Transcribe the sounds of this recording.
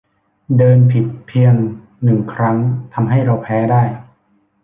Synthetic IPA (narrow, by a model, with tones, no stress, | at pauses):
dɤː˧npʰi˨˩t̪̚pʰi˧əŋ | nɯ˨˩ŋkʰɾa˦˥ŋt̪ʰa˧mɦa˥˩jɾa˧wpʰɛː˦˥daː˥˩j